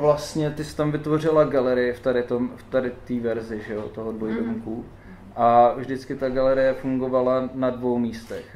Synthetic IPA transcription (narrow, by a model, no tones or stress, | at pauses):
vlast̪ɲɛt̪ɪsɛ̥t̪amvɪt̪vo̞r̝ɪlaɡalɛɾɪjɪft̪adɪt̪omft̪adɪt̪iːvɛɾzɪʒɛjot̪oɦodvojdoŋku | ʔavʒdɪt͡skɪt̪aɡalɛɾɪjɛfuŋɡovalanadvo̞wmiːst̪ɛx